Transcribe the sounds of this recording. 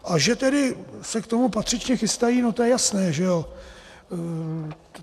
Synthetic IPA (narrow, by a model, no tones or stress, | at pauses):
ʔaʒɛt̪ɛdɪsɛkt̪o̞mupat̪r̥ɪt͡ʃɲɛxɪst̪ajiːno̞t̪ojɛjasnɛːʒɛo